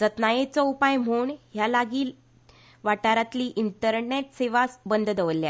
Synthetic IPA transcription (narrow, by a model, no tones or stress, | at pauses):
d͡zət̪najet͡sɔupajm̤oɳɦjalaɡiːl | ʋaʈaɾat̪liːʔint̪əɾneʈseʋasbənd̪ʱd̪əʋəlːja